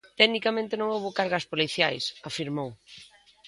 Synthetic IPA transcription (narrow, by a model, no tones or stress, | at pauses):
t̪ɛɣnikamẽnt̪ɪnõŋowβokaɾɣɐspoliθjajsafiɾmow